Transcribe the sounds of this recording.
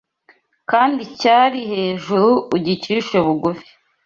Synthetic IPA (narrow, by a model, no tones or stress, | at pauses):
kaːndicaɾihe̞ːʒuɾuːɟiciːʃoβuɡufi̥